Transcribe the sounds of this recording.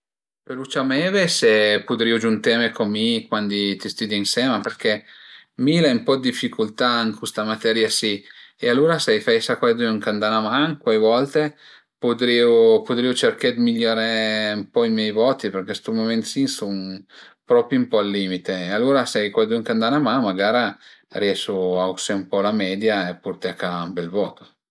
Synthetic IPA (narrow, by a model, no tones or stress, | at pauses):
pelut͡ʃamɛːvesepud̪ɾiːod͡ʒunt̪ɛːmekʰomːikwand̪it̪ist̪ud̪iinsɛːmaperk̟ɛmiːlaimpɔd̪ːifːikʰult̪aiŋkest̪amat̪ɛɾjasiealːuːɾasajfajsakwaed̪uuŋkand̪anamaŋkwajvɔlt̪e | pod̪ɾiːopot̪ɾiːot͡ʃerked̪miʎːaːɾeumpɔimjɛjvɔːt̪iperkest̪umoment̪sinson | pɾɔːpɾjoumpɔalːiːmit̪eːalːoːɾasajkwajd̪uuŋkand̪anamanmaɡaːɾariɛʃoauseumpɔlamɛːd̪jaepːurt̪akaumbɛlvɔːt̪o̥